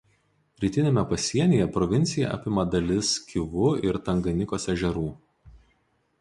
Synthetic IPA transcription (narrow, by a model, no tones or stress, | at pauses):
ɾʲiːt̪ʲɪnʲemʲɛpɐsʲiɛnʲiːjɛpɾɔʋʲɪnʲt̪sʲɪjɛ̰ʔɑ̰ːpʲɪmɐd̪ɐlʲɪskʲɪʋʊɪɾt̪ɐŋɡɐnʲɪkoːsɛʒʲɛɾuː